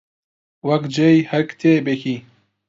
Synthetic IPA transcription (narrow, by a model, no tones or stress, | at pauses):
wɐkd͡ʒejhɐkt̪ʰeːbeki